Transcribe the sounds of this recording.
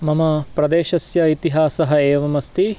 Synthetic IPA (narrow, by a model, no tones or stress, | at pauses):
mɐmɐpɾɐd̪eːʃɐsjɐit̪iɦaːsɐɦɐeːʋɐmɐst̪i